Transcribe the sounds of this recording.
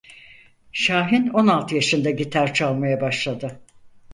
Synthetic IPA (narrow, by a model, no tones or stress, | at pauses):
ʃaːɦino̞nalˠt̪ʰɯjaʃɯnd̪aɟit̪ʰæɾt͡ʃʰalˠmajabaʃlˠad̪ɯ